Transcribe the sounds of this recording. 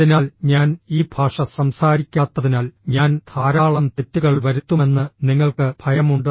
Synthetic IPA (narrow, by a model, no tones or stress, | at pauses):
inaːlɲaːniːbʱaːʂɐsɐmsaːɾikʲːaːt̪ːɐðinaːlɲaːnd̪ʱʰaːɾaːɭɐmt̪e̞tːuɣɐɭʋɐɾut̪ːume̞nːɨniŋːɐɭkɨb̥ʱɐjɐmuɳɖɨ